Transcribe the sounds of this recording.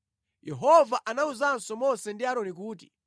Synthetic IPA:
jɛɦɔvaʔanauzansɔmɔsɛndiaɾɔnik̬uːti̥

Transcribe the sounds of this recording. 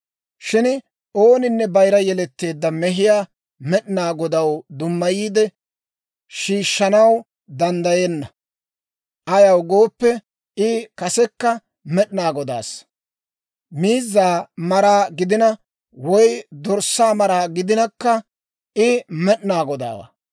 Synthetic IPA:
ʃɪn | ʔo̞ːnɪnːɛbɐjɾɐjɛlɛt̪ːe̞ːd̪ːɐmɛɦɪjaː | mɛɗɪnaːɡɔd̪ɐwd̪ʊmːɐjiːd̪ɛ | ʃiːʃːɐnɐw | d̪ɐnd̪ɐjeːnːɐ | ʔɐjɐwɡo̞ːpːɛ | ɪkɐsɛkːɐ | mɛɗɪnaːɡɔd̪a̰ːs | miːzːaːmɐɾaːɡɪd̪ɪnɐ | wɔjd̪ɔɾsːaːmɐɾaːɡɪd̪ɪnɐkːɐ | ɪmɛɗnaːɡɔd̪a̰ːwa̰

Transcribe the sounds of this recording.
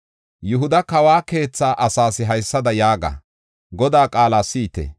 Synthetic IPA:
jʊɦʊd̪ɐkɐwaːke̞ːt͡sːaːʔɐsaːsɪɦɐjsːɐd̪ɐjaːɡa̰ː | ɡɔd̪aːkʼaːlaːsiːt̪ɛ̰

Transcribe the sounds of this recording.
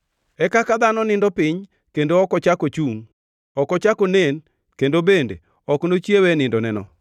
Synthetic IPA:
ɛkakad̪anɔnɪndɔpɪɲ | kendoɔkɔt͡ʃakot͡ʃuŋ | ɔkɔt͡ʃakonen | kendobendḛ | ɔknot͡ʃjewenɪndɔnɛnɔ̰

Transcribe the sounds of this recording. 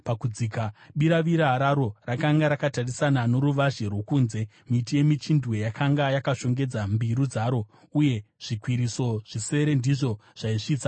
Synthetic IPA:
pakud͡zikaɓiɾaʋiɾaɦaɾaɾo̞rakaŋɡaɾakatarisanano̞ɾuʋaʒe̞rwokuːnze̞ | mitije̞mit͡ʃindwe̞jakʰaŋɡajakaʃo̞ŋɡe̞d͡zambiɾud͡zaːɾo̞ | uje̞ʐ̥ikwiɾiso̞ʐ̥ise̞ɾe̞ndiʐo̞ʐ̥aiʂiːt͡sa

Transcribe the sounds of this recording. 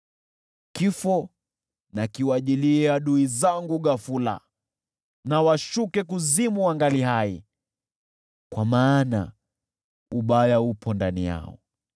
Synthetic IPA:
kifɔ | nakiwaʄiliaɗuizaŋɡuɠafula̰ | nawaʃukɛk̬uzimuwaŋɡaliɦai | kwamaːna̰ | uɓajaupʰɔndanija̰ɔ̰

